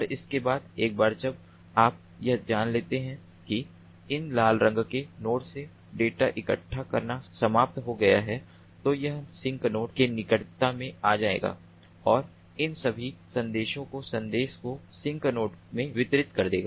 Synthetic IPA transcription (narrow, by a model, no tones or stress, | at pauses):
ɐɾɪskebaːd̪eːk̚baːɾd͡ʒɐb | aːp̚ | jɐɦd͡ʒaːnleːt̪eɦɛ̃ | ki | ɪnlaːlɾə̃ŋɡkenoːʈse | ɖeːʈaʔɪkə̰ʈʰːakɐɾnasɐmaːp̚t̪ɦoɡɐjaɦɛ | t̪ojɐɦsɪ̃ŋknoːʈkenɪkəʈt̪amẽaːd͡ʒaːḛːɡa̰ː | ɔːɾ | ɪnsɐbʱisɐ̃nd̪eːʃõkosɐ̃nd̪eːʃkosɪ̃ŋɡknoːʈmẽʋɪt̪ɾɪt̪kɐɾd̪eːɡa̰ː